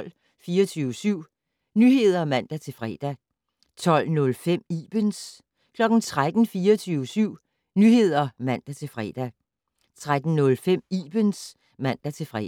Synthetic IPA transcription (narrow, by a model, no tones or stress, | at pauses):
l̰ | fiːɐt͡sʰyːʊəsyʊ̰ | nyɦe̝ð̞̰ˠɐmæn̰d̥æt͡sʰe̝fʁɛ̰ːd̥æ | t͡sʰɒ̽l̰nɔ̽lfem̰iːb̥əns | kʰlɒ̽ɡ̥n̩t͡sʰʁad̥n̩fiːɐt͡sʰyːʊəsyʊ̰ | nyɦe̝ð̞̰ˠɐmæn̰d̥æt͡sʰe̝lfʁɛ̰d̥æ | t͡sʰʁad̥n̩nɔ̽lfem̰ib̥əns | mæn̰d̥æt͡sʰe̝fʁɛ